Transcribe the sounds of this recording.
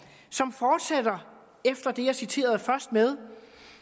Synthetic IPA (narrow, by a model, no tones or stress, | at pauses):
sɒ̽mfɒːd̥sæd̥ɐ | efd̥ɐd̥e̝jɑ̈sit͡sʰe̝̰ːɐð̞̩ˠfɶɐsd̥̚með̞ˠ